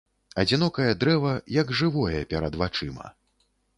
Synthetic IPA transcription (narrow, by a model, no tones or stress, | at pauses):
ɐd͡zʲinɔkɐjɐd̪ɾɛvɐjɐɡʐɨvɔjɛpʲɛɾɐd̪vat͡ʂɨmɐ̰